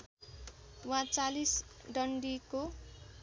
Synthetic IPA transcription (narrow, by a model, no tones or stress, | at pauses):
wãt͡salisɖʌɳɖiko